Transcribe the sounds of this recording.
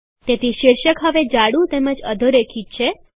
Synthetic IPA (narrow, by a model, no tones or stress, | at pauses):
t̪et̪iʃiɾʃəkɦəʋed͡ʒaɽũt̪eməd͡ʒəd̪ʱəɾekʰit̪̚t͡ʃʰe